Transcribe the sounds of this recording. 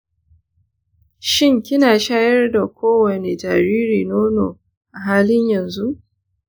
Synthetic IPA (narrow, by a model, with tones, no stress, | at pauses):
ʃɪ˦ŋkʲɪ˦naː˨ʃaː˦jɐ˦rda˨kʷoː˦wɐ˨ne˨d͡ʒa˨ɾiː˦ɾiː˨noː˦no̰ː˨ | ʔa˨ɦaː˦lɪ˦ɲjɐ˨nzu˦ʔ